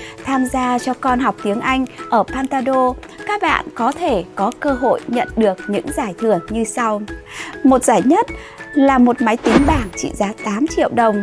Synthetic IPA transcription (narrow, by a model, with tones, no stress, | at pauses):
t̪ʰaː˧mzaː˧t͡ɕɔ˧kɔ˧nɦa˨˩wk͡p̚t̪i˨˦əŋʔa˧jŋ̟ʔəː˧˩pʰaː˧nt̪aː˧ɗo˧ | kaː˦˥k̚ɓa̰ː˧˨nkɔ˨˦t̪ʰe˧˩kɔ˨˦kəː˧ɦo̰˧˨jɲə̰˧˨nɗɨ˨˩ək̚ɲɨ̰˧˥ŋzaː˧˩jt̪ʰɨ˧˩əŋɲɨ˧sa˧wmo˨˩t̚z̥aː˧˩jɲə˦˥t̚ | laː˨˩mo˨˩t̚ma˨˦jt̪i˨˦ŋɓaː˧˩ŋt͡ɕḭ˧˨zaː˨˦t̪aː˨˦mt͡ɕḭ˧˨əwɗə˨˩wŋ͡m